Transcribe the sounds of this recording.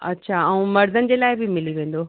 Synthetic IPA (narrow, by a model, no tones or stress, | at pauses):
ɐ̰tːɕʰaːɐ̃ũmɐɾd̪ʱənɪ̆d͡ʑeːlaːɪbimɪliʋẽːnd̪oː